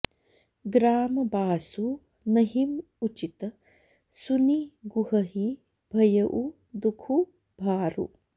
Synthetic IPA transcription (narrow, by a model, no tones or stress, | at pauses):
ɡɾaːmɐbaːsu | nɐɦim | ut͡ʃit̪ɐ | suniɡuɦɐɦi | bʱɐjɐʔu | d̪ukʰu | bʱaːɾṵ